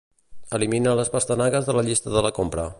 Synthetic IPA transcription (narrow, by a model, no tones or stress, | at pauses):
əliminələspəst̪ənaɣəzðələʎist̪əðələkompɾə